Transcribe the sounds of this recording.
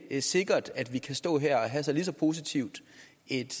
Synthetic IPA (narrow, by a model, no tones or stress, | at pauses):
æse̝ɡ̥ɐd̥æd̥ʋikʰæsd̥ɔ̰̽ːɦeɐ̰ɒɦæsɑlis̬ɒ̽pʰo̝ːs̬it͡sʰiʊ̰d̥ | e̝d̥